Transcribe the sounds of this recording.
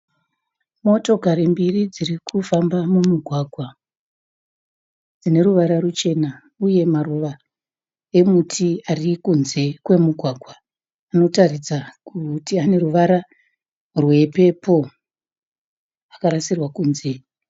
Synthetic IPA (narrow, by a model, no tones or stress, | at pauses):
mo̞to̞kaɾimbirid͡zirikufambamumuɡʱwaːɡʱwa | d͡zine̞ɾuʋaɾarut͡ʃe̞na | uje̞maruʋa | e̞mutʰiarikunze̞kwe̞muɡʱwaɡʱwa | ano̞tarid͡zakutiane̞ɾuʋaɾa | rwe̞pe̞pʰo̞ | akaɾasirwakuːnze̞